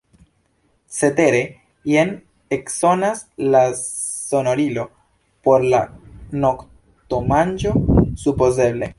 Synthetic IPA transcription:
t͡se̞te̞ɾe̞ | jen | ekso̞naslaso̞no̞ɾilo̞ | po̞ɾlano̞k | t̪o̞mand͡ʒo̞supo̞ze̞ble̞

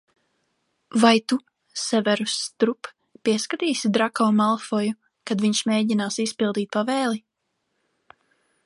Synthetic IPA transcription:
vajt̪u | sɛvɛɾust̪ɾup | piɛskat̪iːsid̪ɾakɔːmalˠfɔju | kad̪viɲʃmeːɟinaːsispilˠd̪iːt̪̚ʲpavɛːlˠi

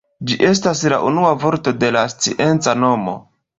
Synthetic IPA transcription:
d͡ʒiʔe̞s̬taslaʔunuavo̞ɾto̞de̞last͡siʔe̞nt͡sano̞mo̞̰

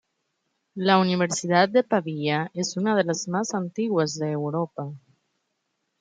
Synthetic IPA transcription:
launiβ̞eɾsiðat̪̚d̪epaβiaʔezunað̞elazmazant̪iɣwazðeːwɾopa

